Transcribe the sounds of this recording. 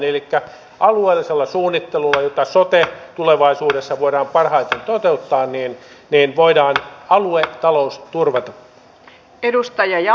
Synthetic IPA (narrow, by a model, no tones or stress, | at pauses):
nelikːæ | ʔɑlueːlːiselːɑsuːnːit̪ːelulːɑjot̪ɑsot̪et̪uleʋɑisuːdesːɑʋoiɾɑːmpɑrhɑit̪ent̪ot̪eut̪ːɑːnniːnniːnʋoidɑːnɑluet̪ɑloust̪urʋɑt̪ɑ | edust̪ɑjɑjɑ